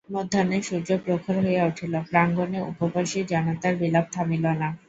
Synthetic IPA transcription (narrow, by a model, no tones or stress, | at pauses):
mod̪ʱːaneʃuɾd͡ʑopɾokʰolɦoeauʈʰilopɾaŋɡoneʔṵpopaʃid͡ʑanat̪aɾbilab̚t̪ʰamilona